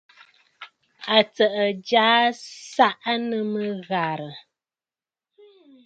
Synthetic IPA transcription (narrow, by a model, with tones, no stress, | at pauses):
a˨t͡sə˨ʔə˨d͡ʒaː˨˦sa˦ʔnə˨mə˦ɣa˨ɾə˨